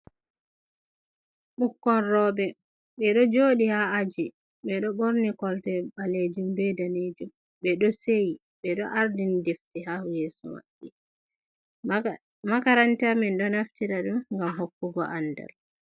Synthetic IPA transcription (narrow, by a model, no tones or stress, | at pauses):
ɓukːɔnɾɔːɓɛ | ɓɛɗɔd͡ʒoɗihaːd͡ʒi | ɓɛɗɔɓoɾnikɔltɛɓaled͡ʒumbɛdaned͡ʒum | ɓɛɗɔseji | ɓɛɗɔʔaɾdindeftiɦahujeːsṵwa̰ɗːi | makaɾantamɛnɗɔnaftiɾaɗumŋɡamɦokːuɡɔ̰ʔanda̰l